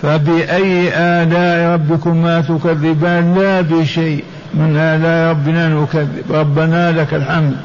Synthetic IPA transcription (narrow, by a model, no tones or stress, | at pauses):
fabɪʔajːʔaːdaːʔɾˤɑbːɪkʊmat̪ʊkaðːɪbaːnlabɪʃaːʔ | mɪnʔaːdaːʔɾˤɑbːɪnanʊkaðːɪ̰bɾˤɑbːanalakalħaml